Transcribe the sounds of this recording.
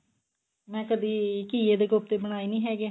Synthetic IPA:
mɛ̃ːkəd̪iːkiːeːd̪eːɡop̚t̪eːbəɽ̃aːiːnĩːɦɛːɡeː

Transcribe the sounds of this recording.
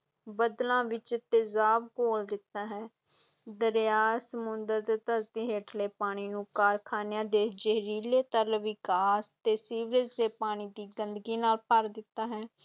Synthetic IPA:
bəd̪lãːʋɪt͡ʃt̪ezaːbkoːld̪ɪt̪ːaːɦɛ̃ː | d̪əɾjaːsəmʊnd̪əɾt̪eːt̪əɾt̪iːɦeːʈʰleːpaːɽ̃iːnũːkaːɾkʰaːnejãːd̪eːd͡ʒeɦɾiːleːt̪əɾʋɪkaːst̪eːsiːʋɾəd͡ʒd̪eːpaːɽ̃iːd̪iːɡənd̪əɡiːnaːlpəɾd̪ɪt̪ːaːɦɛː

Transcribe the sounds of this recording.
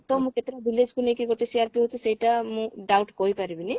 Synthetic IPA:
t̪omũket̪ɾabiled͡ʒkunekiɡoʈesiaɾpiɦot͡ʃʰusejʈamũɖawʈkoɦjpaɾibini

